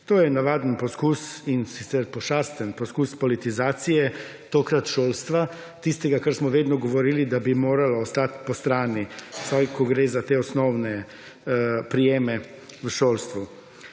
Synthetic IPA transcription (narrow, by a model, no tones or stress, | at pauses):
t̪oːjɛnaʋaːd̪ənpɔskuːsinsit̪sɛɾpɔʃaːst̪ənpɔskuspɔlit̪izaːt̪sijɛ | t̪oːkɾat̪ʃoːlst̪ʋa | t̪ist̪ɛɡakaɾsmɔʋeːd̪nɔɡɔʋɔɾiːlid̪abimoːɾalaːst̪at̪pɔst̪ɾaːni̥sajkɔɡɾeːzat̪eɔsnɔwnɛ | pɾijeːmɛ | ʋəʃoːlst̪ʋu